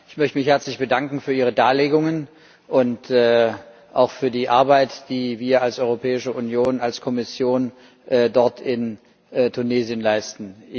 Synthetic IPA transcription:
ʔɪçmœçtəmɪçhɛɐt͡slɪçb̥ədaŋkŋ̩fyːɐiːʁədaːleːɡʊŋən | ʔʊntɛː | ʔaʊxfyːɐdiːʔaɐbaɪtd̥iːviːɐalsʔɔʏʁopʰɛːɪʃəʔunjoːnalskʰɔmɪsjoːn | ʔːdɔɐtʰɪnː | tʰuneːziənlaɪstn̩

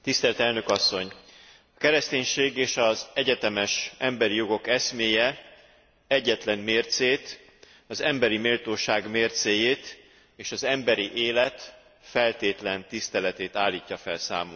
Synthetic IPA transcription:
t̪ist̪ɛlt̪ɛlnøkɒsːo̞ɲ | ɒkɛɾɛst̪eːɲʃeːɡeːʃɒzɛɟɛt̪ɛmɛʃɛmbɛɾijo̞ɡo̞kɛsmeːjɛ | ɛɟːɛt̪lɛnmeːrt̪seːt̪ | ɒzɛmbɛɾimeːlt̪oːʃaːɡmeːrt̪seːjeːt̪ | eːʃɒzɛmbɛɾiʔeːlɛt̪ | fɛlt̪eːt̪lɛnt̪ist̪ɛlɛt̪eːt̪aːlːiːcːɒfɛ̰lsa̰ːmol

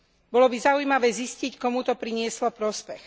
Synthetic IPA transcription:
bɔlɔbizaujmaʋɛːziscickɔmut̪ɔpɾiɲɪɛslɔpɾɔspɛx

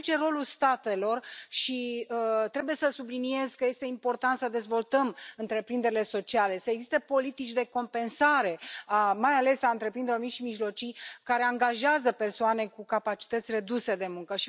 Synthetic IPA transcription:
t͡ʃe̞ro̞lulst̪at̪e̞lo̞rʃiət̪ɾe̞buje̞səsublinie̞zkəje̞st̪e̞impo̞rt̪ant̪səd̪e̞zvo̞lt̪əmɨnt̪ɾe̞pɾind̪e̞ɾile̞so̞t͡ʃiale̞səeɡzist̪epo̞lit̪it͡ʃʲd̪e̞ko̞mpe̞nsaɾe̞amajale̞saɨnt̪ɾe̞pɾind̪eɾomiʃimiʒlo̞t͡ʃijkaɾe̞aŋɡaʒeazəpe̞rsoane̞kukapat͡ʃi̥t̪ət̪sʲre̞d̪use̞d̪e̞muŋkəʃi

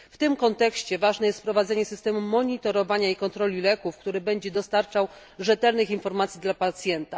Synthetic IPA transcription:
ft̪ɘmkɔnt̪ɛkɕt͡ɕɛvaʐnɛjɛst̪pɾɔvad̪zɛɲɛsɘst̪ɛmumɔɲit̪ɔɾɔvaɲaikɔnt̪ɾɔlʲilɛkufkt̪uɾɘbɛɲd͡ʑɛd̪ɔst̪aɾt͡ʂaw | ʐɛt̪ɛlnɘxinfɔɾmat̪sʲid̪lapat̪sʲjɛnt̪a

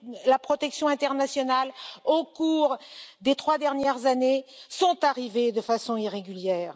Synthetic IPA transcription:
lapχɔt̪ɛksjɔ̃ɛ̃t̪ɛʁnasjɔnalokuʁd̪et̪χwad̪ɛʁnjɛʁzanesɔ̃t̪aʁived̪əfasɔ̃iʁeɡʲyljɛːʁ

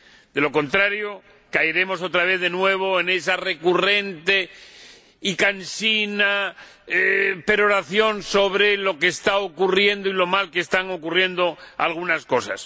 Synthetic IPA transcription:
d̪e̞lo̞ko̞nt̪ɾaɾjo | kajɾe̞mo̞s̬o̞t̪ɾaβ̞e̞θðe̞nwe̞β̞o̞e̞ne̞sare̞kure̞nt̪e̞ | ikansina | pe̞ɾo̞ɾaθjo̞nso̞β̞ɾe̞lo̞ke̞ːst̪aokurje̞nd̪oilo̞malkeːst̪aŋo̞kurje̞nd̪o̞a̰lɣunasko̞sa̰s

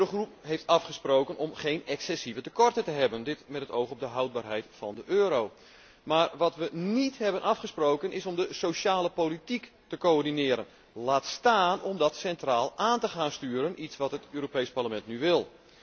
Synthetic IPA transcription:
øɾoxrup̚ɦejftɑfχəsprowkənɔmχejnɛksɛsivətəkɔrtətəɦɛbəndɪtmɛtɦətowxɔb̚dəɦɑwd̚baːrɦɛjtfɑndəʔøːɾow | maːrʋɑtʋənithɛbənʔɑfχəsprowkənɪsɔmdəsowʃaːləpowlitiktəkoɔrdinɪːɾən | laːtstaːnɔmdɔtsɛntraːlˠʔaːntəχaːnstyːɾənʔitsʋɑtɦətøːɾopejsparləmɛntnyʋɪlˠ

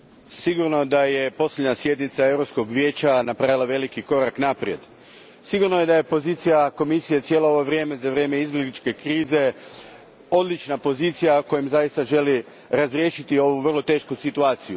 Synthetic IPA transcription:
siɡuɾno̞d̪aje̞po̞slʲʎʲed̪ɲasje̞d̪nit̪sae̞vɾopsko̞ɡʋje̞ːt͡ɕanapɾaːʋilˠaʋe̞likiko̞ɾaknapɾije̞d̪ | siɡuɾno̞je̞d̪aje̞po̞ziːt̪sijako̞misijet̪sjeːlˠo̞oʋoʋɾjeme̞zaʋɾje̞ːme̞izbʲjeɡlit͡ʃke̞kɾiːze̞ | o̞d̪lit͡ʃnapo̞ziːt̪sijako̞jimzajist̪aʒe̞li | ɾazɾje̞ːʃit̪io̞ʋuʋr̩lˠo̞t̪e̞ːʃkusit̪uaːt̪siju

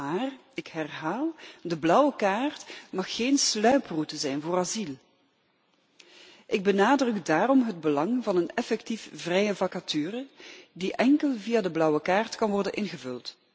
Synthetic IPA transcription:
aːr | ɪkɦɛrɦaːlˠdəblʌwəkaːrtmɑxːeːnslœɥprutəzɛjnvoːrɑzilˠ | ʔɪɡ̚bənaːdrɵkdaːrɔmɦəd̚bəlɑŋvɑnənɛfɛktifvrɛjəvɑkatyːrədiʔɛŋkəlˠvijadəblʌwəkaːrtkɑnʋɔrdənʔɪnɣəvɵlˠt

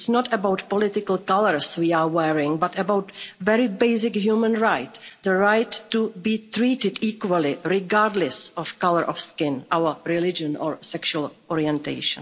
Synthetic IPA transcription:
snɔtəbawt̪pɔlɪt̪ɪkalkaləɹswiːaːwɛɹɪ̃ŋbatɛbawtvɛɾɪbeɪsɪkɦjuːmə̃nɹajtd̪əɹajtːubiːt̪ɾiːtɪdiːkwəlɪɾɪɡaːɾdlɛsɔfkaləɾʔɔfskɪ̃nʔawəɾɪlɪd͡ʒə̃nɔːɹsɛkʃuəlʔɔɾiɛ̃ntḛɪʃə̰̃n

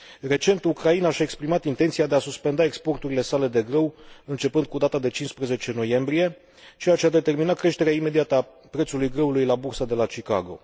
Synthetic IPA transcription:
re̞t͡ʃe̞nt̪ukɾainaʃae̞kspɾimat̪int̪ent̪siad̪e̞asuspe̞nd̪ae̞kspo̞rt̪uɾile̞sale̞d̪e̞ɡɾəwɨnt͡ʃe̞pɨnd̪̚kud̪at̪ad̪e̞t͡ʃinspɾəze̞t͡ʃe̞no̞je̞mbɾije̞ | t͡ʃejat͡ʃead̪e̞t̪e̞rminat̪̚kɾe̞ʃt̪e̞ɾeaime̞d̪iat̪əa | pɾet̪sulujɡɾəulujlabursad̪e̞lat͡ʃika̰ɡo̞̰

